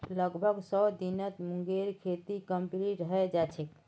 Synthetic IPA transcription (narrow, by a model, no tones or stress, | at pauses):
ləɡbʱəɡsəd̪inət̪muŋɡeɾkʰet̪ikəmpliʈɾəɦɛd͡ʒat͡ʃʰɛk